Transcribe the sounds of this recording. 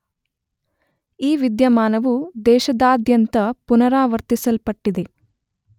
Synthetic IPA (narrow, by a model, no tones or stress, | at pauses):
iːʋid̪jɐmaːnɐʋud̪ɛːʃɐd̪aːd̪jɐnt̪ɐpunɐɾaːʋɐɾt̪isɐlpɐʈːid̪e̞